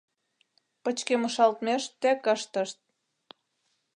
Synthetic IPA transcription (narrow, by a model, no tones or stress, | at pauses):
pə̆t͡ɕkemə̆ʃɑlt̪meʃt̪ækəʃt̪ə̆ʃt̪̚